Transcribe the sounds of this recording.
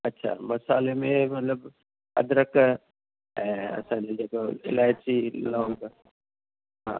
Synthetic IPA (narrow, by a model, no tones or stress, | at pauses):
ɐtːʃʰa̰mɐsaːlemẽmɐt̪ləb | ɐ̰d̪ɾək | ɦɛɐ̰sãːned͡ʒekoɪ̰laːɪt͡ʃiloːɡ | ã̰